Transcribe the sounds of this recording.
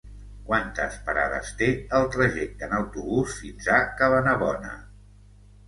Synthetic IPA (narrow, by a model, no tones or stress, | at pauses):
kwant̪ə̰spəɾa̰ðə̰st̪eəlˠt̪ɾəʒɛk̚t̪ənəwt̪uβusfinzakəβənəβɔnə̰